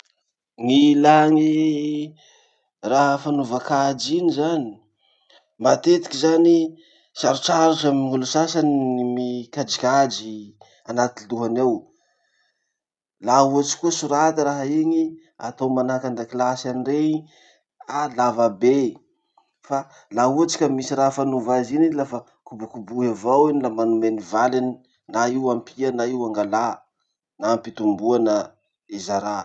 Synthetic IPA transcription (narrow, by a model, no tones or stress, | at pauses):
ŋilaŋi | raɦəfanuvakad͡ʒinizani̥ | mat̪et̪i̥kizani | saɾut͡ʃaɾuʈ͡ʂamiŋulusasaniimikad͡ʒikad͡ʒi | anat̪inluɦanew | laɦuat͡ʃi̥kuəsuɾat̪iɾaɦaiŋi | a̰t̪owmanakand̪aklasanirei | alavabe | fa | laɦuat͡ʃi̥kʲəmisiɾaɦafanuvaziniilafa | kubukubuɦevawinilamanumenivalini | naiwampʰiənaiwaŋɡala | naːmpit̪umbuanə | ezaɾa